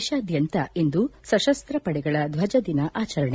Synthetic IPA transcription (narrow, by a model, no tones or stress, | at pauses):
ʃɐːd̪ʱjɐnt̪ɐe̞nd̪usɐʃɐst̪ɾɐpɐɽɛɡɐɭɐd̪ʋɐd͡ʒɐd̪inɐʔaːt͡ʃɐɾɐɳ